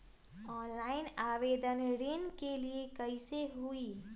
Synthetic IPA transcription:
ɔnlainabed̪ənɾinkeliekəɪseɦui

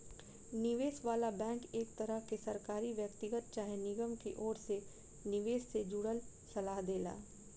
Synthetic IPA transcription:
nɪʋeːsʋaːlabɛ̃ːŋkeːkt̪ɐɾəɦkesɐɾkaːɾiʋjək̚t̪ɪɡət̪̚t͡ʃaːɦenɪɡəmkeʔɔːɾse | nɪʋeːssed͡ʒuːɽəl | sɐlaːɦd̪eːla̰ː

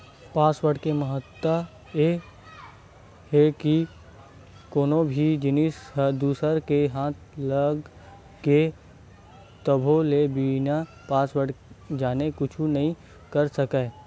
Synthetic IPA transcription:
paːswəɽkeməɦət̪ːə | e | ɦeki | koːnõbʱid͡ʒɪnɪsəd̪uːsəɾkeɦãːt̪̚ʰləɡ | ke | t̪əbʱolebina | paːswəɽd͡ʒaːnekʊt͡ʃʰunɐɦĩ | kəɾsəkeː

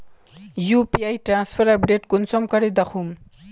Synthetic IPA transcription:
jupiajʈɾãːnspʰɐɾɐpɖeʈkunsɔmkɐɽed̪ɐxʰum

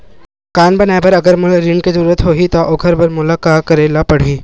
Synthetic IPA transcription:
kanbənajbəɾəɡəɾmʊlaɾiɳɖkezuɾuɾət̪ɦoɦit̪aʔoːkʰəɾbəɾmulakakəɾelapəɽ̤iː

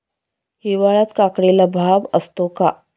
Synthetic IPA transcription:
hiʋaɭat̪kakɽelabʱaʋəst̪oka

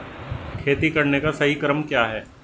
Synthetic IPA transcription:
kʰeːt̪ikɐɾnekasɐɦikɐɾəmkjaːɦɛː

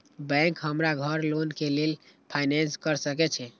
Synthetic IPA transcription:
bɛ̃ŋkɦəmɾaɡʱəɾlonkelel | pʰajnɛnskəɾsəkɛt͡ʃʰɛ

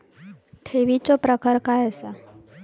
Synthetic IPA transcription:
ʈʰeʋit͡ʃopɾəkəɾkaɛsa

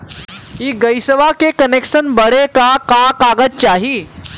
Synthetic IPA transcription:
ɦiːɡəjsəʋakekənekʂənbəɽekakakaɡət̪̚t͡ɕaɦiː

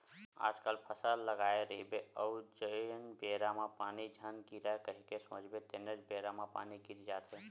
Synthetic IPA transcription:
a̰d͡ʒkalpʰəsəlːəɡaeɾəɦibeəud͡ʒəjənbeɾamapanid͡ʒʱənkiɾaekəɦikesõd͡ʒbet̪enəd͡ʒbeɾamapa̰nikiɾd͡ʒat̪ʰe

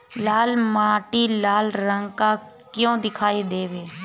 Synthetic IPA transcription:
laːlmaːʈiːlaːlɾəŋɡkaː | kjõːd̪ɪkʰaːid̪eːʋeː

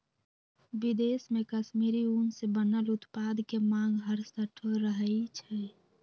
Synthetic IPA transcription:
bid̪esmekəʃmiɾiunsebənəlut̪pad̪kemãŋɡɦəɾsəʈʰoɾəɦəjt͡ʃʰɛ

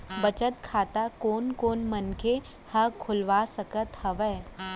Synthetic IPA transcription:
bət͡ʃət̪kʰaːt̪akoːnkoːnmənkʰe | hɐkʰʊlʋaːsəkət̪hɐʋɛː

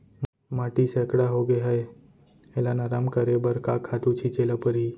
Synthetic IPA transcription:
maːʈisekɽaɦoɡeɦəe | elanaːɾaːmkəɾebəɾkaːkʰaːt̪ut͡ʃʰit͡ʃeːlapəɾɦiː

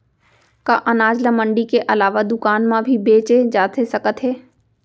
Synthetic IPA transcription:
kaʔɐnaːd͡ʒlamə̃ɳɖikeʔɐlaːʋad̪ʊkaːnmãbʱibeːt͡ʃed͡ʒaːt̪esɐkət̪ɦeː

